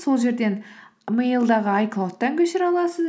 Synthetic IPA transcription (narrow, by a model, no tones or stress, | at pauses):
so̞lˠʒe̞ɾd̪e̞nmejəlˠd̪ɑʁəɑjqlˠot̪ːɑŋkʲʰɵʃɪɾɑlˠɑsəz